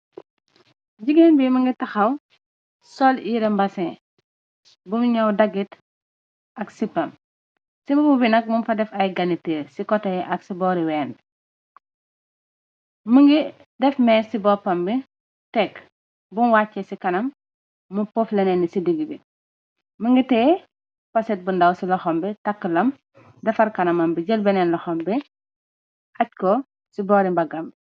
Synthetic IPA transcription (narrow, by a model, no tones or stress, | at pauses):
ɟiɡenbiməŋɡitɐxɐw | sɔljiɾɛmbɐsɛ̃ | bumɲɐwdɐɡit | ʔɐksipːɐm | simɐbubinɐk̚munfɐdɛfɐjɡɐnitiːɾsikɔtɐjɛʔɐksibɔɾiwɛːn | məŋɡi | dɛfmɛːsibɔːpɐmbi | tɛk | bunwaːcːɛsikɐnɐmː | upoflɛnɛnisidiɡibi | məŋɡitɛ | pɐsɛt̚bundɐwsilɐxɔmbitɐkːəlɐm | dɛfɐɾkɐnɐmɐmbiɟəlbɛnɛnlɐxɔmbi | ac̚kɔ | sibɔɾibɐɡɐmbi